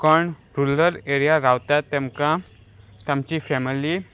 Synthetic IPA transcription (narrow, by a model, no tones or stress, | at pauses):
kəɳ | ɾuləɾeɾijaɾaʋt̪at̪ːɛmkã | t̪amt͡ɕiːfɛmili